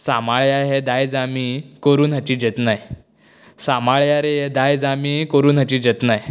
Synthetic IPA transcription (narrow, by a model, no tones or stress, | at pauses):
samaɭjaɦed̪ajd͡zamiːkəɾuːnɦat͡ɕiːd͡ʑət̪naj | samaɭjaɾeɦed̪ajd͡zamiːkəɾuːnɦat͡ɕiːd͡ʑət̪naj